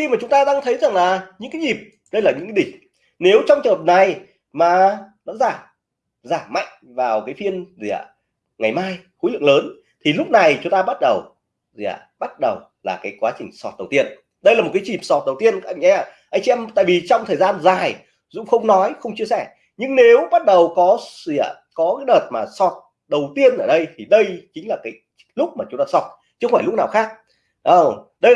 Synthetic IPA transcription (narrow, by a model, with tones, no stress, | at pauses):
xi˧maː˨˩t͡ɕʊ˨˦ŋ͡mt̪aː˧ɗaː˧ŋt̪ʰə˨˦jza˨˩ŋlaː˨˩ɲɨ̰˧˥ŋkaː˨˦ɲi˨˩p̚ | ɗə˧jlaː˨˩ɲɨ̰˧˥ŋkːa˨˦ɗi˧˨˩ | ne˨˦wt͡ɕɔ˧wŋ͡mt͡ɕəː˨˩p̚na˨˩j | maː˨˩nɔ̰˧˥zaː˧˩ | zaː˧˩ma̰˧˨jŋ̟ | vaː˨˩wkaː˨˦jfi˧ənzḭ˧˩ə̰˨˩ | ŋa˨˩jmaː˧jxṵ˧˥lɨ̰˧˨ŋləː˨˦n | t̪ʰi˨˩lʊ˦˥k͡p̚na˨˩jt͡ɕʊ˨˦ŋ͡mt̪aː˧ɓa˦˥t̚ɗə˨˩w | zḭ˧˩ə̰˨˩ɓa˦˥t̚ɗə˨˩w | laː˨˩kaː˨˦jkwaː˨˦t͡ɕï˨˩ŋ̟sɔ˨˩t̚ɗə˨˩wt̪i˧ən | ɗə˧jlaː˨˩mo˨˩t̚kaː˨˦t͡ɕi˨˩msɔ˨˩t̚ɗə˨˩wt̪i˧ənkŋʔʔa˧jŋ̟t͡ɕḭ˧ɛ˧mt̪a̰ː˧˨jvi˨˩t͡ɕɔ˧wŋ͡mt̪ʰəː˨˩zaː˧nzaː˨˩j | zʊ̰˧˥ŋ͡mxə˧wŋ͡mnɔ˨˦jxə˧wŋ͡mt͡ɕi˧əsɛ˧˩ | ɲɨ˧ŋne˨˦wɓa˦˥t̚ɗə˨˩wkɔ˨˦sḭ˧˩ə | kɔ˨˦kaː˨˦jɗəː˨˩t̚maː˨˩sɔ˨˩t̚ | ɗə˨˩wt̪i˧ənʔəː˧˩ɗə˧jt̪ʰi˨˩ɗə˧jt͡ɕï˨˦ŋ̟laː˨˩kaː˨˦j | lʊ˦˥k͡p̚maː˨˩t͡ɕʊ˨˦ŋ͡mt̪aː˧sɔ˨˩t̚ | t͡ɕɨ˧kə˧˦faː˧˩lʊ˦˥k͡p̚naː˨˩wxaː˦˥k̚ | ʔə˧˩ɗə˧